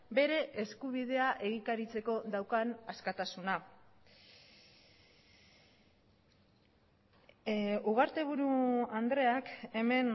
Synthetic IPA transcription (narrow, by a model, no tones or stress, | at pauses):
be̞ɾe̞ʔeskuβ̞ið̞e̞aʔe̞ɣikaɾit͡se̞ko̞ðawkanaskat̪asuna | uɣ̞aɾt̪e̞β̞uɾuand̪ɾe̞ake̞me̞n